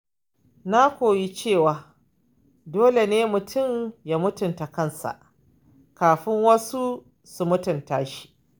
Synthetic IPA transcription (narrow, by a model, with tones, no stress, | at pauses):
na˦kʷoː˨ji˦t͡ʃeː˦˨waː˨ | doː˦le˨neː˦mʊ˨tʰʊ˦˨mja˦mʊ˦tʊ˨nta˨kɐ˦nsa̰˨ʔ | kaː˨ɸɪ˦ŋwɐ˦su˦ | su˨mʊ˦tʊ˨ntaː˦ʃi̥˦ʔ